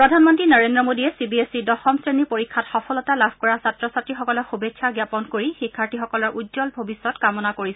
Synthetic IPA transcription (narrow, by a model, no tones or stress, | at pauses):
pɹɔdʱanmɔntɹinɔɹendɹɔmodiɛsibiesidɔxɔmsɹenipoɹikʰːatxɔpʰɔlɔtalabʱkɔɹasatɹɔsatɹixɔkɔlɔxubekʰːaɡjapɔnkoɹixikʰːaɹtʰixɔkɔlɔɹʔudzɔlbʱobisːɔtkamɔnakoɹis